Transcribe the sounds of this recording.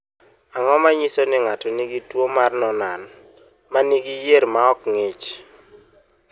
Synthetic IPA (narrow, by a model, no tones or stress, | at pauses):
aŋɔmaɲisonɪŋatɔniɡitwomarnɔnan | maniɡijeɾmaɔkŋet͡ʃ